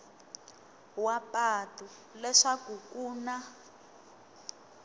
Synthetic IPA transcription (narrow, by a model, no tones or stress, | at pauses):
wapʼatʼu | lɛʂakukuːna